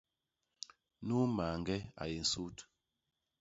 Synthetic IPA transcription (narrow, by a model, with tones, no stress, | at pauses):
nu˦maː˨ŋɡɛ˦a̰˨je˨n̩˨su˦t